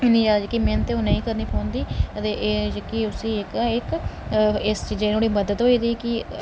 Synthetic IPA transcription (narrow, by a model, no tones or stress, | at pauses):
eniːd͡ʒaːd͡ʒkiːmẽːnət̪eoːnəĩːkəɾniːpʰoːnd̪iːət̪eːʔeːd͡ʒkiːʊsiːɪkaɪk | ɪst͡ʃiːd͡ʒɪnõːɽiːməd̪ət̪ɦoːiːd̪iːkɪ